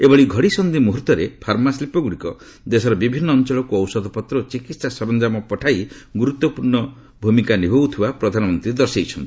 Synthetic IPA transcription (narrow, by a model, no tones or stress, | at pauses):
ebɔɭiɡʱɔɽisɔnd̪imuɦuɾt̪ɔɾepʰaɾmaslipɔɡuɽikɔ | d̪esɔɾɔbibʱinːɔːnt͡ʃɔɭɔkuɔwsɔd̪ʱɔpɔt̪ɾɔt͡ʃikit̪sasɔɾɔnd͡ʒamɔpɔʈʰajɡuɾut̪ːɔpuɾɳɔ | bʱumikanibʱowt̪ʰibapɾɔd̪ʱanɔmɔnt̪ɾid̪ɔɾsejt͡ʃʰɔnt̪i̥